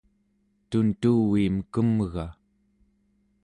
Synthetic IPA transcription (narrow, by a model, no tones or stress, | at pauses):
t̪unt̪uːwiːməkəmɣa